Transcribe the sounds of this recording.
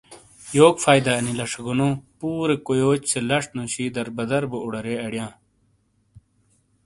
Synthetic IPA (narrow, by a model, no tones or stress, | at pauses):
joːɡfaːjd̪aɐnilɐʂɐɡunõːpuːɾekojoːt͡ɕselɐʂnuɕiːd̪ɐɾbɐd̪ɐɾbuuɽɐɾeɐɽjãː